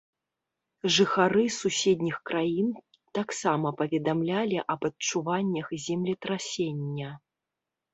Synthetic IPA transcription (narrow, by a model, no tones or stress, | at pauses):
ʐɨxaɾɨsusʲɛd̪ʲnʲixkɾajin | t̪aksamɐpɐvʲɛd̪amlʲalʲiʔɐbɐtt͡ʂuvanʲːɐxzʲɛmlʲit̪ɾasʲenʲːɐ